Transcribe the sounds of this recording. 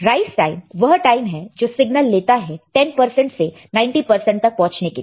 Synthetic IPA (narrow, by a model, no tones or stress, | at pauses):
ɾaːɪfʈaːɪmʋɐɦʈaːɪmɦɛd͡ʒoːsɪɡnəlːeːt̪aɦɛʈɛnpɐɾsɛ̃ɳʈse | nãːɪ̃ɳʈipɐɾsɛ̃ɳʈ̚t̪ɐk̚pɔ̃ɦʊ̃t͡ʃneke